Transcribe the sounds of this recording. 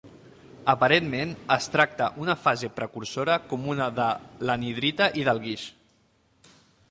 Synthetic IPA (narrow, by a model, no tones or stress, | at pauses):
əpəɾenmenəst̪ɾak̚t̪ə̰ʔunəfazepɾəkuɾsoɾəkomunəðələniðɾit̪əʔiðəlˠɣiʃ